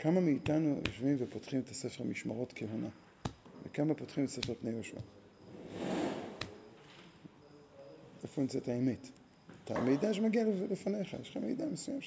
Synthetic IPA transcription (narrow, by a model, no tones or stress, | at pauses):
kamamiːtanujo̰ʃvimvepotχimet̪asefeʁmiʃmaʁo̞tkʰeɦona | vḛkamapotχimetase̞feʁpnejoʃua̰ | efimzetaemet | ta̰mejdaʃmaɡialivlifane̞χa̰jeʃχamejdamesujam